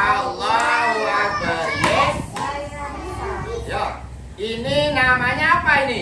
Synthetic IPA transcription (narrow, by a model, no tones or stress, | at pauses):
lːaɦuak̚d̪aɾe | ja | ininamaɲapaini